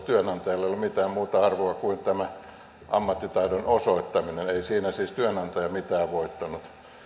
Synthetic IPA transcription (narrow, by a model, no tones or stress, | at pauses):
t̪yønɑnt̪ɑjɑlːeijolumit̪æːmmuːt̪ɑɑrʋoɑkuint̪æmæ | ʔɑmːɑt̪ːit̪ɑidonosoit̪ːɑmineneisiːnæsiːst̪yønɑnt̪ɑjɑmit̪æːʋʋoit̪ːɑnut̪